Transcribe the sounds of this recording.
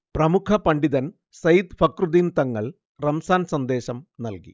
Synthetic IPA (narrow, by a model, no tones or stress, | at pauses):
prɐmukʰɐpɐɳɖiðɐn | sɐjd̪pɐkrud̪iːnt̪ɐŋːɐɭ | rɐmsaːnsɐnd̪e̞ːɕɐmnɐlkḭ